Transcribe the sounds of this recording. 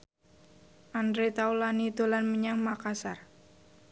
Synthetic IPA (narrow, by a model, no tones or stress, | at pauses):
ʔandɾet̪aulanit̪olanməɲaŋmakasar